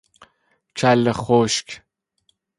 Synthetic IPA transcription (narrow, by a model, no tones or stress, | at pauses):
t͡ʃʰaləχoʃk